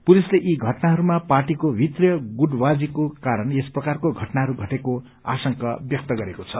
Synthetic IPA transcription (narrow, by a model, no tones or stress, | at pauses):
pulisleʔiɡʱʌʈnaɦʌɾumapaʈikobʱit̪rjʌɡuɖwad͡zikokaɾʌnesprʌkarkoɡʱʌʈnaɦʌɾuɡʱʌʈeko | a̰sʌŋkʌbjʌk̚t̪ʌɡʌɾekot͡sʰʌ